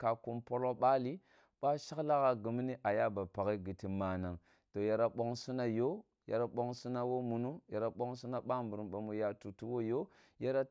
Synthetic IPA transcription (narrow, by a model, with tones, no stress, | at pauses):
ka˨ku˨mpo˦lo˦ɓa˦li˦ | ɓa˦ʃa˦kla˦ɣa˦ɡu˨m˦ni˦ʔa˨ja˦ba˨pa˨ɣi˦ɡi˨ti˨ma˨na˨ŋ | to˨ja˨ɾa˦ɓo˦ŋsu˦na˦jo˦ | ja̰˨ɾa˨ɓo˦ŋsu˦na˦wo˦mu˨nu˦ja˨ɾa˨ɓo˦ŋsu˦na˦ɓa˦m˨bu˨ɾu˨ɓa˨mu˨ja˨tu˨tu˦wo˦jo˦ | ja˦ɾa˦